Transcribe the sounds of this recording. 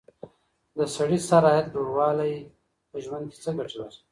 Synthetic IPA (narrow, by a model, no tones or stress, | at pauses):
d̪əsaɽisaɾɑːjat̪̚d͡ʒoɽwɑːlaj | pəʒwand̪̚ke̥t͡səɡaʈiwaɾ